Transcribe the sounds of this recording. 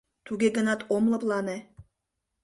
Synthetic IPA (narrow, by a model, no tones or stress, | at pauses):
t̪ʰuɡʲeɡə̆nɑt̪ʰomlˠɤ̆plˠɑne